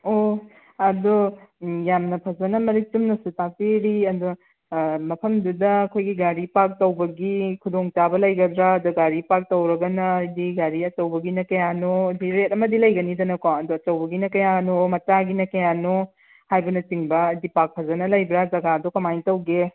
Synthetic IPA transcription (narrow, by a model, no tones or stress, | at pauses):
o | ɐdojamnɐpʰɐzɐnɐmɐɾitumnɐsutak̚tiɾiɐdu | mɐpʰɐmdudɐːkʰojɡiɡaɾipak̚tɐwbɐɡikʰudoŋt͡ʃabɐlɐjɡɐdɾaɐduɡaɾipak̚tɐwɾɐɡɐnɐːjdiɡaɾiɐt͡ʃɐwbɐɡinɐkɐjanodiɾet̚ɐmɐdilɐjɡɐnidɐnɐkoɐdoɐt͡ʃɐwbɐɡinɐkɐjanomɐt͡ʃaɡinɐkɐjano | hajbɐnɐt͡ʃiŋbɐːdipak̚pʰɐzɐnɐlɐjbɾazɐɡaɐdokɐmajntɐwɡe